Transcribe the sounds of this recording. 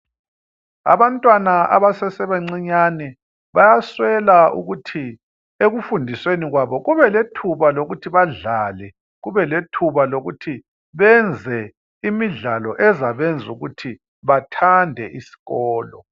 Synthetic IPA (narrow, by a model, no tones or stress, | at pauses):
a̰βantʼwanaa̰βasɛsɛβeŋ͡ǀiɲanɛ | βajaswɛlaṵɣutʰi | eɣufundʱisweniɣwaβɔɣuβɛletʰuβaloɣutʰiβaɮaːlɛ | ɣuβɛletʰuβaloɣutʰi | βɛnd͡zʱɛ | imiɮalɔʔɛzaβɛnd͡zʱuɣutʰi | βatʰandʱɛʔisi̥ɣɔːlɔ